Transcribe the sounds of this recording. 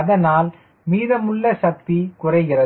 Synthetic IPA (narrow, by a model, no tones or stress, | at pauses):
ɐðɐnaːl | miːðɐmʊɭːɐʃɐk̚t̪ikʊrɐɪɣɪrɐ